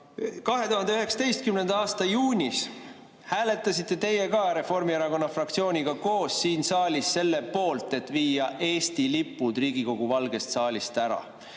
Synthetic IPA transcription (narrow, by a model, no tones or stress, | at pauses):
kɑɦe̞t̪uɦɑnd̪e̞yɦe̞ksɑ̥t̪e̞jst̪̚kymne̞nd̪ɑɑːst̪ɑjuːnʲis | hæːle̞t̪ːˑɑsit̪ːˑe̞t̪e̞je̞kɑɾe̞fo̞rmieɾɑko̞nːɑfrɑkt̪sio̞ːnʲiɡ̥ɑko̞ːsːiːnsɑːlʲisse̞lːe̞po̞ːlt̪ˑe̞t̪viːjɑʔe̞ːst̪ilipːˑud̪̥riːɡ̥iko̞ɡ̥uvɑlɡe̞st̪sɑːlʲist̪æɾɑ̰